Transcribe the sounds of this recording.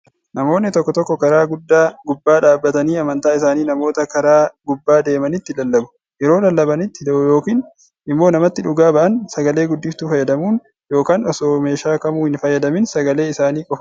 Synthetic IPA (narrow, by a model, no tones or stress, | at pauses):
nɐmo̞ːnːɪt̪ɔkːɔt̪ɔkːɔkɐɾaːɡʊd̪ːaːɡʊbːaːᶑaːbːɐt̪ɐniːɐmɐnt̪aːɪsaːniːnɐmo̞ːt̪ɐkɐɾaːɡʊbːaːd̪e̞ːmɐnɪt̪ːɪlɐlːɐbʊ̥ | jɛɾo̞ːlɐlːɐbɐnɪt̪ːɪd̪ɐʔʊjo̞ːkiːn | ɪmːo̞ːnɐmɐt̪ːɪᶑʊɡaːbɐʔɐnsɐɡɐle̞ːɡʊd̪ːɪft̪uːfɐjːɐd̪ɐmuːn | jo̞ːkaːnɔsoːme̞ːʃaːkɐmuːhɪnfɐjːɐd̪ɐmɪnsɐɡɐle̞ːɪsaːniːkʼɔfɐ